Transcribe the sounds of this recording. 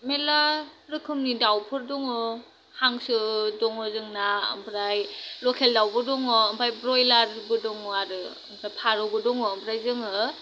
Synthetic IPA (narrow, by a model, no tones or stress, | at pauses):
melaɾɯkʰɯmnidawpʰɯɾdɔŋɔ | haŋsɯdɔŋɔzɯŋnaɯ̰mpʰɾajlɔkʰeldawbɯdɔŋɔːmpʰajbɾɔjlaɾbɯdɔŋɔaɾɯ | ɯ̰mpʰɾajpʰaɾɔbɯdɔŋɔːmpʰɾajzɯŋɯ